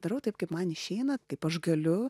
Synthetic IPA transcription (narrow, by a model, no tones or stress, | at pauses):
d̪ɐɾɐʊt̪ɐɪpkɐɪpmɐnɪʃʲɛɪnɐkɐɪpɐʃɡɐlʲʊ